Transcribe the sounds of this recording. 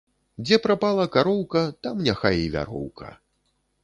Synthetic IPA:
d͡zʲɛpɾapalˠɐkaɾɔwkɐt̪amnʲaxajivʲa̰ɾɔ̰wkʰɐ̰

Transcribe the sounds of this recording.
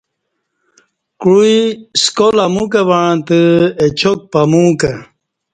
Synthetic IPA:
kɻuiskolamukabaɻãt̪əet͡ɕʰok̚pamũka

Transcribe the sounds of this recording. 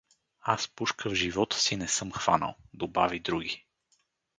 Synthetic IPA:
aspuʃkəvʒivɔt̪ə̥sinɛsɤmxv̥a̰nə̰lˠd̪obavid̪ɾuɡi

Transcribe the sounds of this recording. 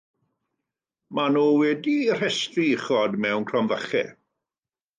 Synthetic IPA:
manuːwɛdir̥ɛstriχɔdmɛwnkʰrɔmvəχɛ̰

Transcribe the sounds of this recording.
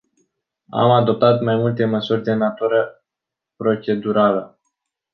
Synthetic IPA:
a̰mad̪o̞p̚t̪at̪majmult̪e̞məsurʲd̪e̞nat̪uɾə | pɾo̞t͡ʃe̞d̪uɾalə

